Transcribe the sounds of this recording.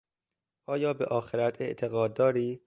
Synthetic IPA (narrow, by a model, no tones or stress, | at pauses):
ʔɒːjɒːbeʔɒːxeɾæt̪ʰe̞̰ʔt̪ʰe̞ɣɒːd̪̚ːɒːɾiː